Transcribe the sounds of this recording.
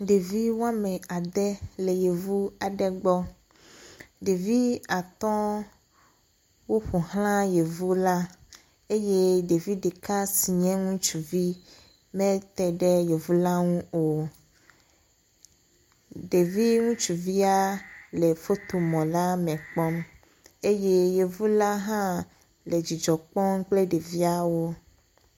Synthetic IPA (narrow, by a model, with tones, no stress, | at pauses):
ɖe˨vi˦wo˦a˦mɛ̃˨a˨d̪ɛ˦le˨je˨vu˦a˨ɖɛ˦ɡ͡bɔ˦ | ɖe˨vi˦a˨t̪ɔ̃˦ | wo˦ɸo˨ɦl̃ã˦je˨vu˦la˦ | e˦je˦ɖe˨vi˦ɖe˨ka˦si˨ɲɛ̃˦ŋũ˦t͡ʃu˨vi˦ | mɛ̃˦t̪ɛ˨ɖɛ˦je˨vu˦la˦ŋũ˦o˨ | ɖe˨vi˦ŋũ˦t͡ʃu˨vi˦a˦le˨fo˦t̪o˨mɔ̃˨la˦mɛ̃˨k͡pɔ˦m | e˦je˦je˨vu˦la˦ɦã˦ | le˨d͡ʒi˨d͡ʒɔ˨k͡pɔ˦ŋ̩˦k͡ple˦ɖe˨vi˦a˦˨wo˦